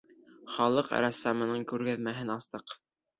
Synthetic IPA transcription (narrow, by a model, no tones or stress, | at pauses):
χɑlˠɤqɾɑsːɑmɤ̆nɤɴkʉɾɡæðmæɦɘnɑst̪ɤq